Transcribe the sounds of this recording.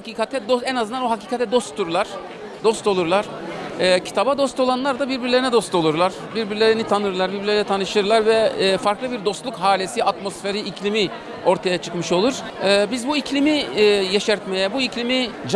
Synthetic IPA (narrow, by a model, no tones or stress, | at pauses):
haciːkʰat̪ʰɛd̪oɛnazɯnd̪anoɦacʰiːkʰat̪ʰɛd̪o̞st̪ʰuɾlˠaɾ̥ | d̪o̞st̪olˠuɾlˠaɾ̥ːcʰi̥t̪ʰabad̪o̞st̪o̞lˠanlˠaɾd̪abiɾbiɾlʲeɾinɛd̪o̞st̪o̞lˠuɾlˠaɾ̥biɾbiɾlʲeɾinit̪ʰanɯɾlˠaɾbiɾbilʲeinɛt̪ʰanɯʃɯɾlˠaɾvɛfaɾklˠɯbiɾd̪o̞st̪lˠukhaːlʲesiat̪mo̞sfe̞ɾiiclʲimi | o̞ɾt̪ʰajat͡ʃʰɯ̥kmɯʃo̞lˠuɾ̥ː | bizbuiclʲimijeʃɛɾt̪me̞jɛbuiclʲimid͡ʒ